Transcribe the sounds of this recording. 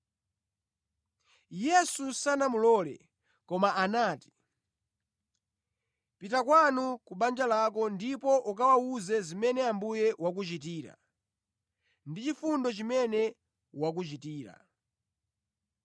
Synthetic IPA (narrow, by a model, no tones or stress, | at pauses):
jɛsusanamulɔːlɛ̰ | kɔmaʔanaːti̥ | pitakwanukuɓand͡ʒalakɔndipɔʔukawauzɛzimɛnɛambujɛwak̬ut͡ʃit̬iːɾa̰ | ndit͡ʃifundɔt͡ʃimɛnɛ | wak̬ut͡ʃitiːɾa̰